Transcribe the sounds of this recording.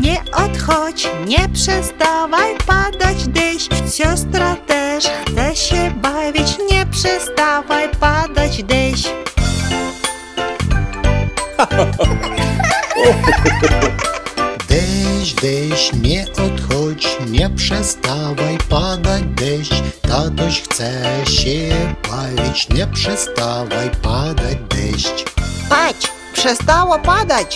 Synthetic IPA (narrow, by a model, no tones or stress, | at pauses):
ɲɛʔɔt̪xɔt͡ɕɲɛpʂɛst̪avajpad̪ad͡ʑd̪ɛɕɕɔst̪ɾat̪ɛʂxsɛɕɛbavʲit͡ɕɲɛpʂɛst̪avajpad̪ad͡ʑd̪ɛɕ | d̪ɛɕd̪ɛɕɲɛʔɔt̪xɔt͡ɕɲɛpʂɛst̪avajpad̪ad͡ʑd̪ɛɕt͡ɕt̪at̪ɔɕxt̪sɛɕɛpalʲit͡ɕɲɛpʂɛst̪avajpad̪ad͡ʑd̪ɛɕt͡ɕt̪at͡ɕ | pʂɛst̪awapad̪at͡ɕ